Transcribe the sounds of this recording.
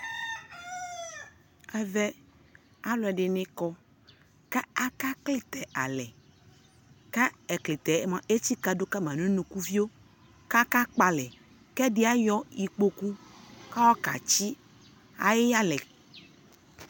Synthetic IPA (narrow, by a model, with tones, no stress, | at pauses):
ɛ˦vɛ˦ | a˦lʊ˨ɛ˨ɖɪ˨nɪ̃˦kɔ˦ | ka˦a˦ka˦klɪ˦t̪ɛ˨ʔa̰˨lɛ˨ | ka˦ɛ˨kli˨t̪ɛ˨˦mã˨ʔe˦t͡ɕi˦ka˦do˦ka˦mã˨nũ˦nũ˨ku˦vi˦o˦ | ka˦ka˦k͡pa˨lɛ˨ | kɛ˦ɖɪ˦a˦jɔ˦i˨k͡po˦ku˦ka˦wɔ˦ka̰˨t͡ʃi˦ | a̰˨jɪ˦ja˦lɛ˨